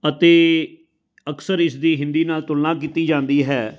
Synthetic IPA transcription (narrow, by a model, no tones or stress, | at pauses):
ət̪eː | əksəɾɪsd̪iːɦɪ̃nd̪iːnaːlt̪ʊlnaːk̬iːt̪iːd͡ʒãːnd̪iːɦɛː